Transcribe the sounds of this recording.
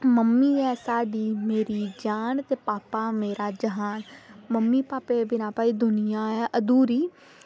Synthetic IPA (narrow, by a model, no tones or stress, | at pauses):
məmːiːɛːsaːɖiːmeːɾiːd͡ʒaːnt̪eːpaːpaːmeːɾaːd͡ʒəɦaːnməmːiːpaːpeːbɪnaːpaːiːd̪ʊnɪjaːɛːʔəd̪uːɾiː